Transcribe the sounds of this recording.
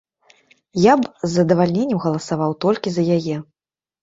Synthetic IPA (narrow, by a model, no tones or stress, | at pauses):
jabzːɐd̪ɐvalʲnʲenʲːɛmɣɐlˠɐsavawt̪ɔlʲkʲizɐjajɛ